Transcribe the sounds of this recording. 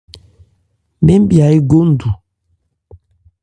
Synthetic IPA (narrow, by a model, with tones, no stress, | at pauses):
me˦m˦bja˨i˦ɡo˦n̩˨du˨